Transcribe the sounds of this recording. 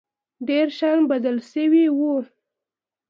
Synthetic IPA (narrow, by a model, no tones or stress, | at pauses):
ɖeɾʃanbad̪əlʃəwiwu